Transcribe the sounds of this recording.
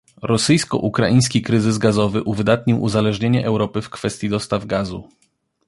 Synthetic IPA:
ɾɔsɘjskɔ̰ʔukɾaʔĩj̃skʲikɾɘzɘzɡazɔvɘʔuvɘd̪at̪ɲiwʔṵzalɛʐɲeɲɛʔɛwɾɔpɘfkfɛst̪ʲjid̪ɔst̪avɡazṵ

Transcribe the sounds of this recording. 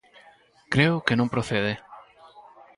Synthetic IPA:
kɾeʊkenõmpɾoθeðe

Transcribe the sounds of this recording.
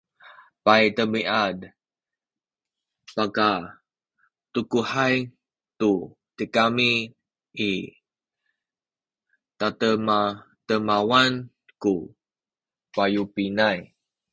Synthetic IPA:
pajt̪əmiʔad | paka | t̪ukuhaj | t̪u | t̪əkami | ʔi | t̪at̪əma | t̪əmawan | ku | pajupinaj

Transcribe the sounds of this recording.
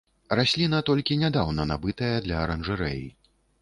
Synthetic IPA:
rasʲlʲinɐt̪ɔlʲkʲinʲad̪awnɐnabɨt̪ɐjɐd̪lʲɐːɾɐnʐɨɾɛ̰ji

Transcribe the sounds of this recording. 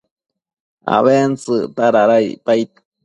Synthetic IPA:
a̰βensɨt̪aɾaɾaj̰pajt̪

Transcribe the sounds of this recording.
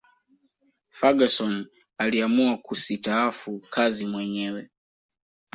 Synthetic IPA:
faɡasɔn | aliamuwakʰusitaafukʰazimwɛɲɛːwɛ

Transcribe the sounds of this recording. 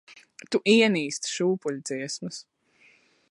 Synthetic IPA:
t̪uʔiɛniːst̪ʃuːpuʎʲd̪z̥iɛsmus

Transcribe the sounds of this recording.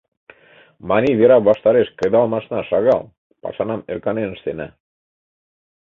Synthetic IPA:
mɑniβeɾɑβɑʃt̪ɑɾeʃkə̆ðɑlˠmɑʃnɑʃɑɣɑlˠ | pɑ̰ʃɑnɑmeɾkɑnen̆ʃt̪enæ

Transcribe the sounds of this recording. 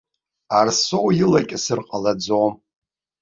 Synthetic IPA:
arsowjɪlakʲʼɪsɨrqʼalad͡zowm

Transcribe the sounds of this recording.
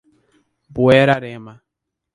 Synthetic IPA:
buɛɾaɾema

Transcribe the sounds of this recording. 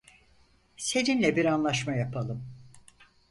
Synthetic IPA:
se̞ninlʲɛbiɾanlˠaʃmajapʰalˠɯm

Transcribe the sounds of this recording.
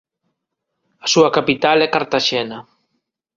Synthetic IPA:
asuɐkapit̪alɛkaɾt̪aʃɛna

